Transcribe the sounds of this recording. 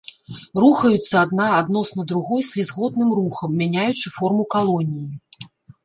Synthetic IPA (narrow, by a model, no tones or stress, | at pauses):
ruxɐjut̪sːɐad̪naːd̪nɔsnɐd̪ɾuɣɔjsʲizɣɔd̪nɨmruxɐmːʲanʲajut͡ʂɨfɔrmukalˠɔnʲiji